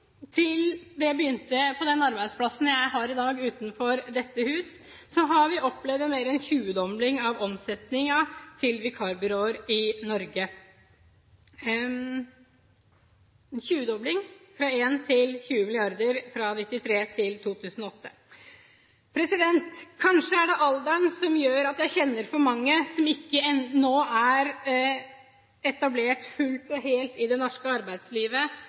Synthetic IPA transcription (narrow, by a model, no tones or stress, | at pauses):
t̪ʰɪld̪ɛbəjʏnt̪əpʰɔd̪ɛnɑɾbæɪd̪spʰlɑsn̩jæɪɦɑɾɪd̪ɑːɡʉːt̪nfɔɾd̪ɛt̪ːəhʉːs | sɔɦɑɾʋɪʔɔpːlɛʋd̪əmeːɾɛnçʉːəd̪ɔmlɪŋɑʋɔmsɛt̪nɪŋɑt̪ʰɪlʋɪkʰɑːɾbɪɾoːəɾɪnɔɾɡə | çʉːəd̪ɔblɪŋfɾɑeːnt̪ʰɪlçʉːəmɪlɪɑɾd̪əɾfɾɑnɪt̪ːɪt̪ʰɾeːt̪ʰɪlt̪ʰuːt̪ʰʉːsnɔɔt̪ːə | pʰɾɛsɪd̪ɛnt̪kʰɑnʂəæɖɛʔɑld̪ɑnsɔmjøːɾɑt̪jæɪçɛnːəɾfɔɾmɑŋːəsɔmɪkːəɛnoːæɾ | ɛt̪ɑbleːʈfʉlt̪ɔɦeːlt̪ɪd̪ɛnɔʂkəɑɾbæɪd̪sliːʋə